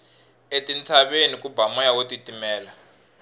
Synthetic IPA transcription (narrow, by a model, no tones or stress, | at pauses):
etʼint͡sʰaɓenikʼubamɔjawotitʼimɛːla